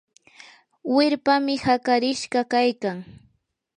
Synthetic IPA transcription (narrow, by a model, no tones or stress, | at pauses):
wɪɾpamɪhakaɾɪʃɢɑkajkaŋ